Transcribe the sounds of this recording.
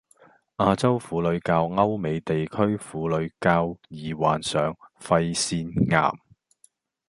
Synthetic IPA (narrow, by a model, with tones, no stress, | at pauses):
ʔaː˧t͡sɐ˥wfuː˨˥lɵ˨˧ɥkaː˧wŋɐ˥wme˨˧jt̪e˨jkʰɵ˥ɥfuː˨˥lɵ˨˧ɥkaː˧wjiː˨˩wa̰ː˨nsœː˨˧ŋfɐ˧jsiː˧nŋa̰ː˨˩m